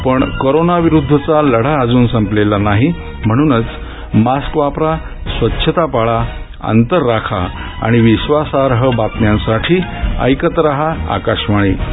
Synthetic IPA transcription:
pəɳkoɾonaʋiɾud̪ʱːət͡saləɽ̤aːd͡zuːnsə̃mplelanaɦi | m̤əɽ̃uːnət͡s | maskʋapɾa | sʋətːɕʰət̪apaɭa | ə̰nt̪əɾːakʰa | a̰ɽ̃iʋiɕʋasaɾɦəbat̪njãnsaʈʰiːə̰jkət̪ɾaɦaa̰kaɕmaɭiː

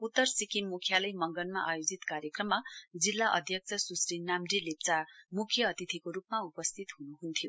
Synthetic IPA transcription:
ut̪ːʌrsikinmukʰjalʌjmʌŋɡʌnma̰ʔajod͡zit̪kaɾjekrʌmːad͡zilːaʔʌ̰d̪ʱjʌk̚t͡sʰʌsusrinamdilep̚t͡samukʰjʌːt̪it̪ʰikoɾupmaupʌst̪ʰit̪ɦunuɦunt̪ʰijo

